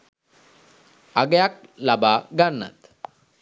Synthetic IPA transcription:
aɡejak̚labaːɡanːa̰t̪

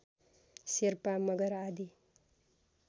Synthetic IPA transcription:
siɾpamʌɡʌɾad̪i

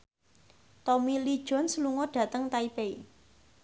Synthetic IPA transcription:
t̪ɔmilid̥ʒ̥ɔ̤nsəluŋɔɖ̥ä̤t̪əŋt̪aipei

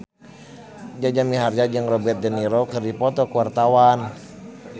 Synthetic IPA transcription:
d͡ʒad͡ʒamiɦard͡ʒad͡ʒəŋrɔbɛt̪̚dɛniɾɔkɨrdipɔt̪ɔkuwart̪awan

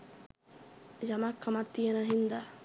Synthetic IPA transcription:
jamakʰːamat̪ːijenaɦind̪a

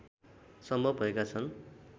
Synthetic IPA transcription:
sʌmbʱʌbʱʌekat͡sʰʌn

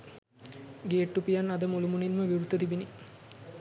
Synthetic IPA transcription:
ɡeːʈːupijanad̪əmulumuninməʋiɾut̪ːət̪ibini

